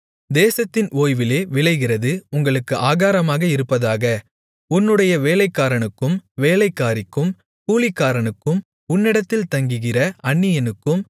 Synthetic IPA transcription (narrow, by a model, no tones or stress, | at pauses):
d̪eːsɐt̪ːɪnoːjʋɪleːʋɪɭɐɪɣɪrɐðɯʊŋɡɐɭɯkːɯʔaːɣaːɾɐmaːɣɐɪɾɯpːɐðaːɣɐ | ʊnːɯɽɐjɐʋeːlɐɪkːaːɾɐɳɯkːɯmʋeːlɐɪkːaːɾɪkːɯm | kuːlɪkːaːɾɐɳɯkːɯm | ʊnːɪɽɐt̪ːɪlt̪ɐŋɡɯɣɪrɐɐɳːɪjɐnɯkːɯm